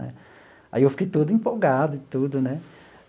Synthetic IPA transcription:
nɛ̰ | a̰iewfi̥kejt̪ud̪ʊĩpowɡad̪ʊɪt̪ud̪ʊnɛ

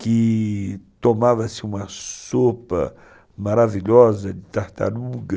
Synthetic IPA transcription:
ki | t̪omavɐsiumɐsopɐ̰ | maɾaviʎɔzɐd̪it̪aht̪a̰luɡɐ

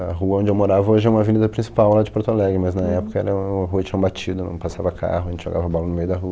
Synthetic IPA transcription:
ɐɦuɐõd͡ʒɪewmoɾavɐoʒɪɛũmɐvinid̪ɐpɾĩsi̥pawlad͡ʒɪpoɾt̪olɛɡɾɪmɐznɐɛpʊ̥kɐɛ̰ɾɐɐɦuɐt͡ʃĩɲɐbat͡ʃid̪ʊnɐ̰̃w̃pasa̰vɐkʰa̰ɦʊẽt͡ʃɪʒo̰ɡavɐbɔlɐnʊmejʊd̪ɐɦuɐ

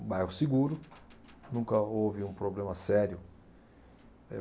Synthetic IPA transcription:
bajhʊsiɡuɾʊnũkɐowvɪũpɾoblẽmɐsɛɾjʊ | ɛ

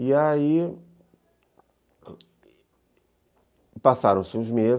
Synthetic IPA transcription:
iai | pasaɾɐ̃w̃sɪũzmez

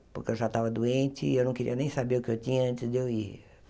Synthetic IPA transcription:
pʊɾkɪewʒat̪avɐd̪uẽnt͡ʃɪewnɐ̃w̃keɾḭɐnẽj̃sabeʊkɪewt̪ĩɲɐɐ̃nt̪ɪzd̪ewi

